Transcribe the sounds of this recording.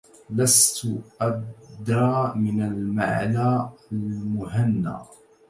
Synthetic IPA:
last̪ʔab̚d̪ɾˤɑːmɪnalma̰ʕlaːalmʊhanːa̰ː

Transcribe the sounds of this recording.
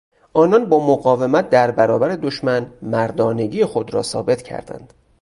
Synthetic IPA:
ʔɒːnɒnbɒːmoɣɒːve̞mæt̪̚ʰd̪æɾbæɾɒːbæɾe̞d̪oʃmænmæɾd̪ɒːne̞ɟiːexo̞d̪ɾɒ̰ːsɒ̰ːbe̞t̪ʰcʰæ̰ɾd̪æ̰nd̪̥

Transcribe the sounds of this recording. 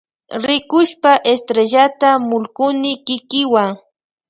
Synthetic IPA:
ɾɪkʊʃpaʔest̪ɾeʒat̪amʊlkʊnɪkɪkɪwaŋ

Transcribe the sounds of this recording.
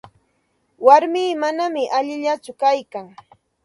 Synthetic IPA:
waɾmiːmanamɪʔaʎɪʎat͡sʊkajkaŋ

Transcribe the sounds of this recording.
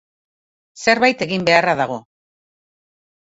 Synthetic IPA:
se̞ɾβajt̪e̞ɣimbe̞araðaɣ̞o̞

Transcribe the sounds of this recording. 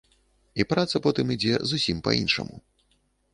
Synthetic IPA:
ipɾat̪sɐpɔt̪ɨmid͡zʲɛzusʲimpɐ̰inʂɐ̰mṵ

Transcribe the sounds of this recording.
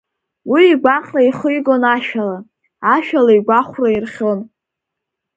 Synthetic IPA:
wiːɡʷaqʲʼraiχɨjɡonaʃᶣala | aʃᶣalaiɡʷaχʷrairχʲon

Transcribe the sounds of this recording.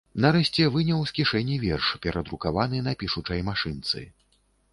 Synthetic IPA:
nɐɾɛɕʲt͡sʲɛvɨnʲɐwskʲiʂɛnʲːivʲɛrʂpʲɛɾʔɐd̪ɾukavanɨnapʲiʂut͡ʂɐjmaʂɨnt̪sɨ̰

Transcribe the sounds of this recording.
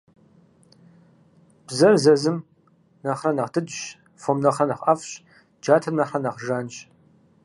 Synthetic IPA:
b̥zɐrzɐzɨm | nɐχrɐnɐχdʰɨdɕ | fomnɐχrɐnɐχʼɐfɕ | d͡ʒaːtʰɐmnɐχɐnɐχʒaːnɕ

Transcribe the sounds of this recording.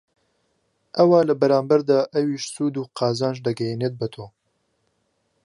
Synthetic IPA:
ʔɐwɑːləbɛɾaːmbɛɾd̪aːʔɛwiːʃsuːd̪uːqɑːzaːnʒd̪ɐɡɛjeːneːt̪̚bət̪ʰoː

